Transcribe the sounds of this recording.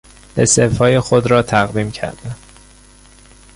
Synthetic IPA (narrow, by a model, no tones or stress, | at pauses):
esefhɒːjexod̪ɾɒːt̪ʰæɣd̪iːmcʰæ̰ɾd̪æn